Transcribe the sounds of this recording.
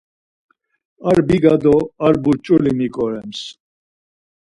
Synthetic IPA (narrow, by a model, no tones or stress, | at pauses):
aɾbiɡad̪ɔaɾbuɾt͡ʃʼulimikʼɔɾɛms